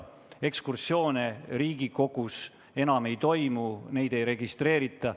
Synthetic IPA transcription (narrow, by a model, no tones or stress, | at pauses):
e̞kskursjo̞ːneɾiːɡiko̞ɡ̥us | e̞nɑme̞jt̪o̞jmune̞jd̪e̞jɾe̞ɡist̪re̞ːɾit̪ːˑɑ